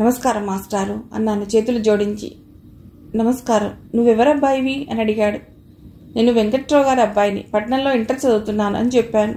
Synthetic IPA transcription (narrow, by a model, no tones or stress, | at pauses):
nɐmɐskaːɾɐmaːsʈaːɾuɐ̰ninɐnːut͡ʃe̞ːt̪ulud͡ʒoːɽiɲt͡ʃḭ | nɐmɐskaːɾɐmnuʋːɛʋɐɾɐbːaːjʋiɐ̰nɐɽiɡaːɽu | ne̞ːnːuʋeŋkɐʈɾɔːɡaːɾɐbːaːjɐnḭpɐʈnɐlo̞ːiɳʈɐst͡ʃːɐd̪ut̪unːaːnṵɐ̰nit͡ʃɛpːaːnu